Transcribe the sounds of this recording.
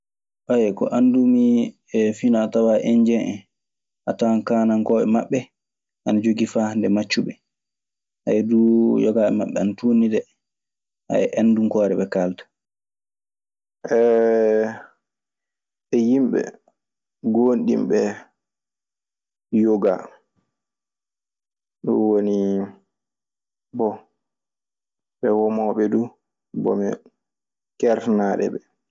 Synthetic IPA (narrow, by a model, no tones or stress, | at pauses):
ʔajɛkɔ̰ʔandumi | ɛfinatawaʔɛɲd͡ʒɛnʔɛ̰ | ʔatankaːnaŋkɔɓɛ̰maɓːɛ | ʔanad͡ʒoɡifandɛmat͡ʃːuɓɛ | ʔajdujɔɡaɓɛmaɓːɛanatunidɛ | a̰ɛʔanːdumkɔːɾɛɓɛkaltḁ | ʔɛ | ɛjimɓɛ̰ | ɡonɗḭmɓɛ | joɡa | ɗɔ̰woni | bɔ | ɓɛwɔmɔɓɛdu | bɔ̰mɛ | kɛɾfnaːɗɛ̰ɓɛ